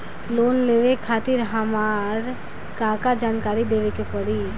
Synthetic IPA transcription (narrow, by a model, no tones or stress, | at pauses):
loːnleʋekʰaːt̪iɾɦəmaɾ | kaːkad͡ʒaːnkaːɾid̪eːʋekepəɽi